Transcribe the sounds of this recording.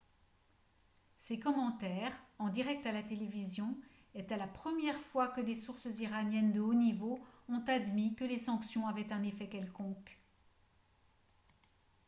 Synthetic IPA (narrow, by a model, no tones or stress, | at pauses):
sekɔmɑ̃t̪ɛʁɑ̃d̪iʁɛk̚t̪alat̪elevizjɔ̃ | ɛt̪alapχəmjɛʁfwakəlesuʁsziʁanjɛnd̪əonivoɔ̃t̪ad̪mikəlesɑ̃ksjɔ̃avɛt̪ɛ̃nefɛkʲɛlkɔ̃k